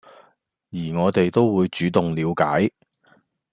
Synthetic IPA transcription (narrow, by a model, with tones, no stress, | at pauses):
jiː˨˩ŋɔː˨˧t̪e˨jt̪o˥wwuː˨˧jt͡ʃyː˨˥t̪ʊ˨ŋliː˨˧wkaː˨˥j